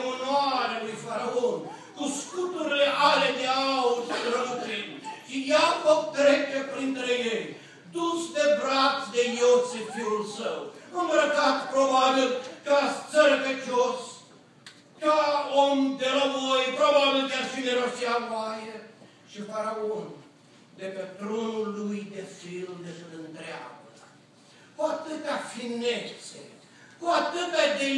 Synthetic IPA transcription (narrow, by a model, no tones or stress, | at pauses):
mənwaɾelujfaɾaon | kuskut̪uɾileʔaled̪eawuʃid̪ɾəmət̪ɾinʃijapok̚t̪ɾet͡ʃepɾint̪ɾejej | d̪usd̪ebɾat̪d̪ejosefiɾulsəwunbɾəkat̪pɾobabilkat͡səɾpet͡ʃios | kaomd̪elamojpɾobabilk̪at͡ʃineɾoʃialoaje | ʃipaɾaom | d̪e̞pet̪ɾonulːujd̪efild̪epeɨnd̪ɾea̰bə | kuat̪ɨt̪afinet̪sḛ | kuat̪ɨt̪ad̪e